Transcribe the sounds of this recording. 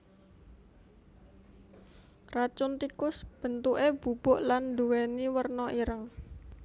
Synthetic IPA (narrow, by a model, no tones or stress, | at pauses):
rat͡ʃʊnt̪ikʊsb̥ə̤nt̪uʔeb̥ṳb̥ʊʔland̪uweniwərnɔʔiɾəŋ